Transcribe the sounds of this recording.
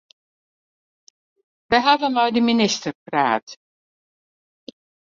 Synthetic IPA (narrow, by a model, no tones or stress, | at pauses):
ʋɛjɦavəmɔjdiminɪstərpra̰ːt